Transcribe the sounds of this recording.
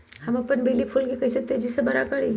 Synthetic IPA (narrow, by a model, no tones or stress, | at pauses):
hɐmɐpənbʱeːlipʰʊlkikɐset̪eːd͡ʒisebɐɾakɐɽi